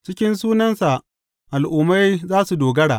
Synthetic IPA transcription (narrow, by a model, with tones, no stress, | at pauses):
t͡ʃɪ˦kʲɪ˦nsuː˦nɐ˦nsa˨ʔ | ʔa˨lʔuː˨ma˦jzaː˦su˨doː˨ɡɐ˦ɽaː˨ʔ